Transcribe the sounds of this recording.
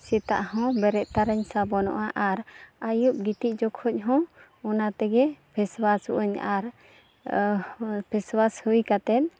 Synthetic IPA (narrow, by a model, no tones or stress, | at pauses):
sɛt̪a̰ʔɦɔ̃bɛɾɛʔ̪̚t̪aɾəɲsabɔnɔ̰ʔaʔaɾajuʔ̚ɡit̪iʔ̚ˀd͡ʒɔkʰhɔc̚ɦɔ̃ | ɔnat̪ɛɡɛpʰɛswasṵʔuɲaɾ | pʰɛswashujkat̪ɛt̪̚